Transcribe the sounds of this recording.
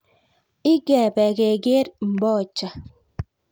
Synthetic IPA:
i˦ɡɛː˨bɛ˨ɡe˨ɡe˦ɾm̩˨bɔ˦˨t͡ʃa˨

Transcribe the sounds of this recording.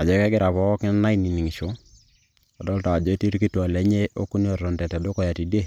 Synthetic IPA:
a˨d͡ʒɔ˨˦kɛ˦ɡɪ˦ɾa˨pɔ˨˦ɔ˦kɪ˦na˦i˦ni˨ni˨ŋi˨ʃo˦ | ɔ˨dɔ˦lta˨d͡ʒɔ˦e˦ti˦ɾki˦tu˦ɔ˨le˨˦ɲe˦ʔo˦ku˦n˦o˨ɾɔ˨ntɛ˨ta˨do˦kɔ˦ja˨ti˨de˦˨

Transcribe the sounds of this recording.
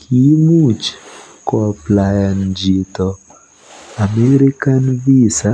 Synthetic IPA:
kʰi˦mu˦˨t͡ʃ | kɔ˨plajand͡ʒi˨tɔ | a˨me˦ɾi˦ka˦nvi˦sa

